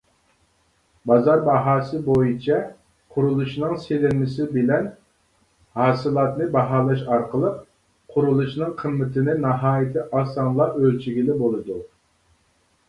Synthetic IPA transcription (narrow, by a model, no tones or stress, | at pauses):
bɑzɑɾbɑɦɑːsɨbojit͡ʃʰɛ | qʰʊɾulˠuʃnɨŋselɪnmɪsɪbɪlɛn | hɑːsɨlˠɑt̪nɨbɑɦɑːlˠɑʃɑɾqəlˠəq̚ | qʰʊɾulˠuʃnɨŋqʰəmːɪt̪ʰɪnɪnɑɦɑːjɪt̪ʰɪʔɑːsɑnlˠɑʔølt͡ʃʰiɡʲilɪbolˠɨd̪u